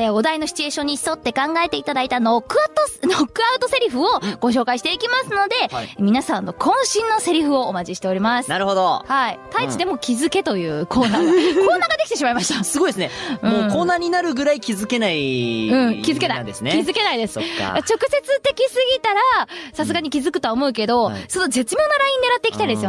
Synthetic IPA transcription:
eo̞d̪ainoɕi̥t͡ɕie̞ɕõ̞ɲ̟ːi̥so̞t̪ːe̞kãŋɡae̞t̪e̞it̪ad̪ait̪anokːɯt̪onokːɯaɯ̟t̪o̞se̞ɾʲiɸɯ̟oɡ̥o̞ɕ̬o̞ːkaiɕi̥t̪e̞ikʲimasɨno̞d̪e̞mʲinasãnːo̞kʰõ̞ɰ̃ɕĩnːo̞se̞ɾʲiɸɯ̟o̞ːmat͡ɕiɕi̥t̪e̞o̞ɾʲimasɨ̥naɾɯ̟hod̪ohait̪ait͡ɕid̪e̞mo̞kʲizɨke̞t̪o̞jɯ̟ːkʰo̞ːnaːko̞ːnaːɡad̪e̞kʲit̪e̞ɕimaimaɕi̥t̪asɨɡoid̪esɨnemɯ̃oːkoːnaːɲ̟inaɾɯ̟ɡɯ̟ɾaikʲizɨke̞naiɯ̟̃kʲizɨke̞naḭd̪esnekʲizɨke̞naid̪e̞sɨ̥̰at͡ɕo̞kɯ̟se̞t͡sɨt̪e̞kʲisɨɡʲit̪aɾasasɨɡaɲ̟ikʲizɨkɯ̟t̪o̞aomo̞ɯ̟k̬e̞d̪o̞sonoze̞t͡sɨmʲjo̞ːno̞ɾaĩɲd̪e̞ɾat̪ːe̞ikʲi̥t̪aid̪e̞sɨo

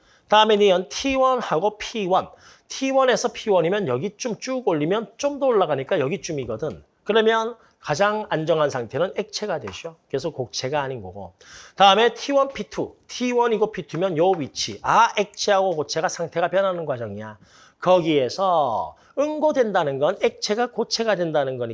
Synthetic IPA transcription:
taɯme̞nijʌntʰiwʌnhaɡopʰiwʌn | tʰiwʌne̞sʰʌpʰiwʌɲimjʌnjʌɡit͡ɕ͈umt͡ɕ͈uɡoʎːimjʌnt͡ɕ͈omdoːɭːaɡaɲik͈ajʌɡit͡ɕ͈umiɡʌdɯn | kɯɾʌmjʌn | kad͡ʑaŋand͡ʑʌŋɦansʰaŋtʰe̞nɯnek̚t͡ɕʰe̞ɡadwe̞ɕ͈ʰoke̞sʰokok̚t͡ɕʰe̞ɡaːɲinɡʌɡo̰ | taɯme̞tʰiwʌnpʰitʰutʰiwʌniɡopʰitʰumjʌnjʌwɥit͡ɕʰiʔaek̚t͡ɕʰeɦaɡokot͡ɕʰe̞ɡasʰaŋtʰe̞ɡapjʌnɦanɯnɡwad͡ʑʌŋia | kʌɡie̞sʰʌ | ɯnɡodwe̞ndanɯnɡʌnek̚t͡ɕʰe̞ɡakot͡ɕʰe̞ɡadwe̞ndanɯnɡʌɲi

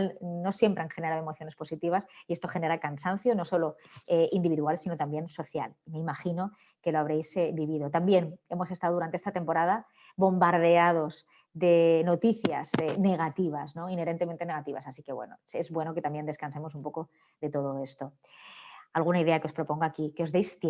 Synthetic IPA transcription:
lno̞sje̞mpɾaŋxeneaðoe̞moθjo̞nespo̞sit̪iβ̞asiest̪o̞xe̞ne̞ɾakansan̟θjo̞no̞so̞lo̞ | eind̪iβiðualsinot̪ambje̞nso̞θja̰lime̞imaxino̞ | ke̞loaβ̞ɾejsebiβ̞iðo̞t̪ambje̞ne̞mo̞sest̪aðouɾant̪eest̪at̪e̞mpo̞ɾaða | βo̞mbaɾð̞e̞að̞o̞z | ðe̞no̞t̪iθja̰zene̞ɣ̞at̪iβ̞azno̞ine̞ɾe̞nt̪e̞ment̪e̞ne̞ɣ̞at̪iβa̰sasike̞βwḛno̰e̞zβwe̞no̞ke̞t̪ambjend̪eskanse̞mo̞sumpo̞ko̞ | ðe̞t̪o̞ð̞o̞e̞st̪o̞ | alɣunaiðe̞akeospɾo̞po̞ŋɡakikeo̞zðejst̪

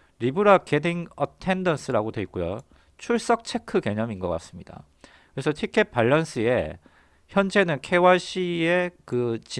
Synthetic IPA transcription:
ɾibuɾake̞diŋʌtʰe̞ndʌns͈ʰɯɾaɡodwe̞ik͈ojo̰ | t͡ɕʰuɭs͈ʌk̚t͡ɕʰe̞kʰɯke̞ɲʌminɡʌk͈a̰s͈ɯmɲid̥a̰ | kɯɾe̞sʰʌtʰikʰe̞p̚p͈aʎːʌns͈ʰɯe̞̰ | çjʌnd͡ʑe̞nɯnkʰe̞waɕ͈ie̞kɯt͡ɕi

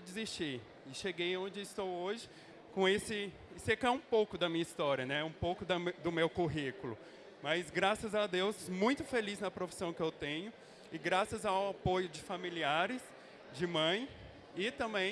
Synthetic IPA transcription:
d͡ʒɪzist͡ʃiɾ | ɪʃeɡejõd͡ʒɪɪst̪owoʒɪ | kõesɪ | sekɛũpowkʊd̪ɐmĩɲɐist̪ɔɾiɐnɛũpowkʊd̪ɐmd̪ʊmewkuɦikʊlʊ̰ | mɐzɡɾasɐzad̪ewsmũj̃t̪ʊfeliznɐpɾofi̥sɐ̃w̃kɪewt̪ẽɲʊ | ɪɡɾasɐzawapojʊd͡ʒɪfamiliaɾɪs | d͡ʒɪmɐ̃j̃ | ɪt̪ɐ̃mbẽ

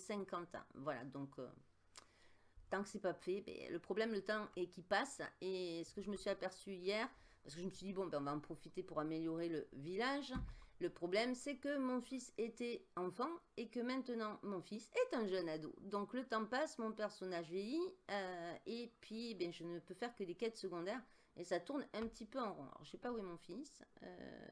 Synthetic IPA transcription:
sɛ̃kɑ̃t̪vwala̰d̪ɔ̃kø̰ | t̪ɑ̃kə̥sɛpafɛbɛ̰ləpχɔblɛmlət̪ɑ̃ɛkʲipasesə̥kəʒəməsɥiapɛʁsyijɛʁ | paʁsə̥kəʒəməsɥid̪ibɔ̃bɛɔ̃vaɑ̃pχɔfit̪epuʁameljɔʁeləvilaʒləpχɔblɛmsɛkəmɔ̃fiset̪ɛɑ̃fɑ̃ekəmɛ̃t̪ənɑ̃mɔ̃fisɛt̪ɛ̃ʒœnad̪o̰d̪ɔ̃klət̪ɑ̃pasmɔ̃pɛʁsɔnaʒvjejiøepɥiebjɛ̃ʒənəpøfɛʁkəd̪ekɛt̪səɡɔ̃d̪ɛʁ | esat̪uʁnɛ̃pət̪ipøɑ̃ʁɔ̰̃lɔ̰ʁʃsɛpauɛmɔ̃fisø̰

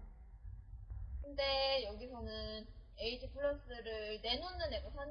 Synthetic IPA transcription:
kɯnde̞jʌɡisʰʌnɯn | e̞itʰipʰɯɭːʌs͈ɯɾɯɭɭne̞nonːɯneɡosʰan

